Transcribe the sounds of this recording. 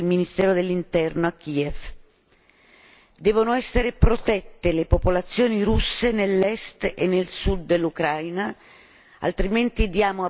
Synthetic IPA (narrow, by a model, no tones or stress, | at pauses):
lminist̪ɛːɾod̪elːint̪ɛrnoakːiːef | d̪ɛːvonoɛsːeɾepɾot̪ɛt̪ːelepopolat̪sːjoːniɾusːenelːɛst̪ḛnːelsud̪ːelːukɾajna | a̰lt̪ɾiment̪id̪jaːmoa